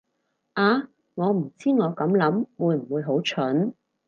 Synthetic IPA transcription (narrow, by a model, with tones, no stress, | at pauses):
ʔaː˨˧ | ŋɔː˨˧m̩˨˩t͡siː˥ŋɔː˨˧kɐ˨˥mlɐ˨˥mwuː˨˧jm̩˨˩wuː˨˧jɦo˨˥wt͡ʃʰɵ˨˥n